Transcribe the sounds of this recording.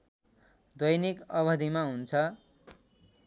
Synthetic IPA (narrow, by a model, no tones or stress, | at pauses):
d̪ʌjnikʌbʌd̪ʱimaɦunt͡sʰʌ